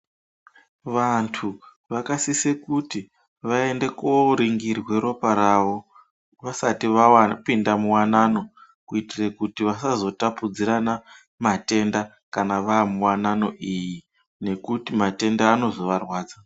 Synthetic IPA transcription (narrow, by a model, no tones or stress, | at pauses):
ʋantʰu | ʋakasisekuti | ʋae̞nde̞koɾiŋɡirwe̞ɾo̞paɾaʋo̞ | ʋasatiapindamuwanano̞ | kuitirekutiʋasazo̞tapud͡ziɾana | mate̞nda | kanaʋaːmuwanano̞ʔiji | ne̞kutimate̞ndaːno̞zo̞ʋarwaːd͡za